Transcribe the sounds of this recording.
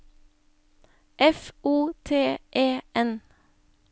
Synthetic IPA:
ʔɛfʔuːt̪ʰeːʔeːʔɛn

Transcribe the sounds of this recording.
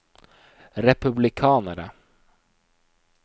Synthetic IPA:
ɾɛpʉblɪkʰɑːnəɾə̰

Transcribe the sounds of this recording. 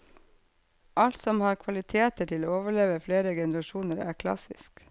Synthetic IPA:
ʔɑlt̪sɔmhɑːɾkʰʋɑlɪt̪ʰeːt̪əʈʰɪloːoːʋəɭeːʋəfleːɾəɡɛnəɾɑʃuːnəɾæ̰ːɾkʰlɑ̰sɪsk

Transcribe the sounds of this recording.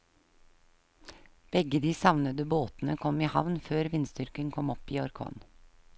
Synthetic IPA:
b̥ɛɡəd̪iːsɑʋnəd̪əboːt̪n̩əkʰɔmiːhɑʋnføːɾʋɪnsd̪ʏɾkəŋkʰɔmɔpiːɔɾkʰɔ̰ːn

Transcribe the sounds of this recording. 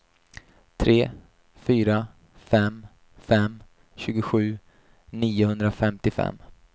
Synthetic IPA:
t̪ʰɾeː | fyːɾa | fɛm | fɛm | ɕʉ̟ːɡʊɧʉ̟ː | niːʊhɵnd̪ɾafɛmt̪ɪfɛ̰mː

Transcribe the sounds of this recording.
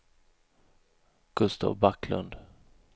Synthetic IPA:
ɡ̥ɵst̪ʰa̰vbaklɵ̰nd̪

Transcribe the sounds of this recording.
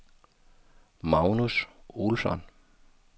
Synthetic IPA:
mɑʊnusolsɒ̰n

